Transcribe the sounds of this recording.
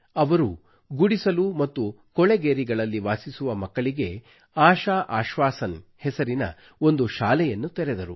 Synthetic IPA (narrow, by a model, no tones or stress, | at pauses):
ɐʋɐɾu | ɡuɽisɐlumɐt̪ːu | kɔɭeɡeːɾiɡɐɭɐlːiʋaːsisuʋɐmɐkːɐɭiɡe̞ | aːʃaːʔaːʃʋaːsɐnhɛsɐɾinɐ̰ | o̞nd̪uʃaːlɛjɐnːut̪ɛɾed̪ɐɾu